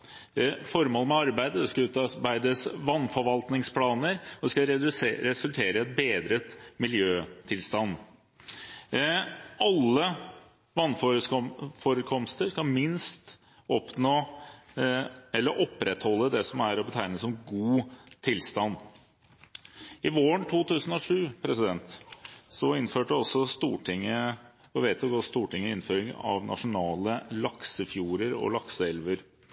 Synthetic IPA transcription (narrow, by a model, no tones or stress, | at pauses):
fɔɾmoːləmɛɑɾbæɪd̪əd̪ɛskɑʉːt̪ɑbæɪd̪əsʋɑnːfɔɾʋɑlt̪nɪŋspʰlɑːnəɾɔd̪ɛskɑɾɾɛsʉlt̪ʰeːɾəɛt̪̚beːd̪ɾət̪mɪljøːt̪ʰɪlst̪ɑnː | ɑlːə | ʋɑnf | fɔɾəkʰɔmst̪əʂkɑmɪnst̪ | ɔpnoː | ɛlːəɾʔɔpːɾɛt̪hɔlːəd̪ɛsɔmæɾɔbət̪ʰæɪnəsɔmɡuːt̪ʰɪlst̪ɑnː | ɪʋoːəɳt̪ʰuːt̪ʰʉːsənɔʂʉːpʰɾɛsɪd̪ɛnt̪sɔɪnːføːʈəɔsːɔst̪uːʈɪŋəɔʋeːt̪ʰʊɡɔst̪uːʈɪŋːəɪnføːɾɪŋɑ̰ʋnʔɑ̰ʂʊnɑːləlɑksəfjuːɾəɾɔ̰lɑksəɛlʋəɾ